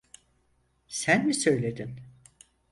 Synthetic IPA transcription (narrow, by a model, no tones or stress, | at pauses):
sænmisø̞jlʲe̞d̪in